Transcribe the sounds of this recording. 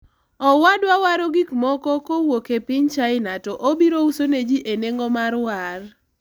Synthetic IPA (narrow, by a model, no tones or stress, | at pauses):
ɔwadwawaɾoɡikmɔkɔkowokepɪɲt͡ʃaɪnatɔʔobiɾousoned͡ʒiʔeneŋɡomaɾwar